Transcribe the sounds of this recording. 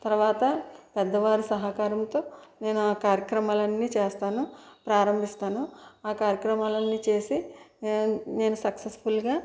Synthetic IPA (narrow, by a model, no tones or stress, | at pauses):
t̪ɐɾʋaːt̪ɐpɛd̪ːɐʋaːɾusɐɦakaːɾɐmt̪o̞ːne̞ːnuaːkaːɾjɐkɾɐmaːlɐnːiːt͡ʃeːst̪aːnupɾaːɾɐmbʱist̪aːnuaːkaːɾjɐkɾɐmaːlɐnːiːt͡ʃe̞ːsi | ne̞ːnusɐksesfulɡaː